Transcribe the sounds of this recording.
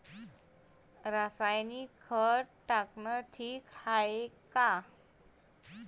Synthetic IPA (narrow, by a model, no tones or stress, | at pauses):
ɾasajnikʰːəʈaknəʈʰiːkhaeka